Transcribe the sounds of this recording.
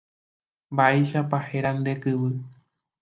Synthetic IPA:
mbaeʃapaheɾãnd̪e̞kɨβɨ

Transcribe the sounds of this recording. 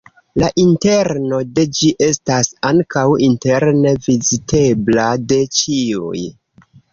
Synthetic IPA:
laʔinte̞ɾno̞de̞d͡ʒiʔe̞stasaŋkawinte̞ɾne̞vizite̞blade̞t͡ʃiṵj

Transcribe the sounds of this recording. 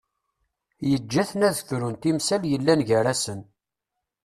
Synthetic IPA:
jəd͡ʒːæθənæðθɾunt̪imsæljəlːænʝəɾæsən

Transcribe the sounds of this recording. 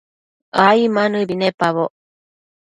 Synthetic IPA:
aimanɯbinepːaβo

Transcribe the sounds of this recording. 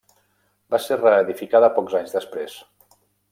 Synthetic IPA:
baserəːðifikaðəpɔkzaɲzðəspɾes

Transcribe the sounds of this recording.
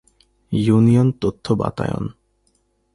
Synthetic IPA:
junijont̪ot̪ʰːoba̰t̪ajo̰n

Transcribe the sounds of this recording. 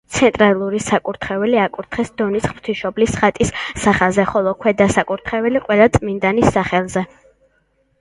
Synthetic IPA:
t̪sʰɛnt̪ʼɾalˠuɾisakʼuɾt̪ʰχɛvɛliakʼuɾt̪ʰχɛsd̪̥ɔnisχmt̪ʰiʃɔblisχat̪ʼisːaχazɛχɔlˠɔkʰwɛd̪asakʼuɾt̪ʰχɛvɛliqʼwɛlˠat̪sʼmind̪anisːaχɛlˠzɛ

